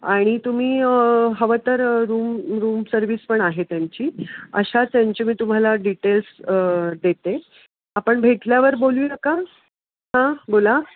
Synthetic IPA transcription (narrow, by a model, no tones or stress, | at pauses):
aɽ̃it̪um̤iːɦəʋət̪əɾɾuːmɾuːmsəɾʋiːspəɳaɦet̪jaɲt͡ɕiːəɕat̪jaɲt͡ɕemiːt̪um̤alaɖiʈelsd̪et̪e | apəɳbʱeʈljaʋəɾboluːnəka | ɦãbola